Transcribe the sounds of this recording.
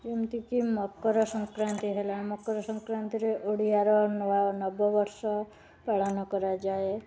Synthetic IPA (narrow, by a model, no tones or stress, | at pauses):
d͡ʒimt̪ikimɔkːɔɾɔsɔŋkɾant̪iɦelamɔkːɔɾɔsɔŋkɾant̪iɾeʔoɽ̤iaɾɔnanɔbɔbɔɾsɔ | paɽ̤anɔkɔɾad͡ʒae